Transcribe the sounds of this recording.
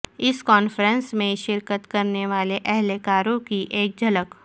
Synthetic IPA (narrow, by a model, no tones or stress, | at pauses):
ɪskɔːnfɾə̃nsmẽʃɪɾkət̪kɐɾneʋaːleʔɛɦlekaːɾõkiʔeːk̚d͡ʒʱɐlək